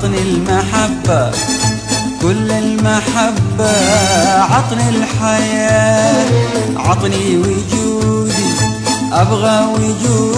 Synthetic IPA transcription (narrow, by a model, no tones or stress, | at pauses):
nɪlmaħabːa | kʊlːalmaħabːa | ʕɑt̪ˤnɪlħajaː | ʕɑt̪ˤniwʊd͡ʒuːd̪i | ʔabɣawʊd͡ʒuː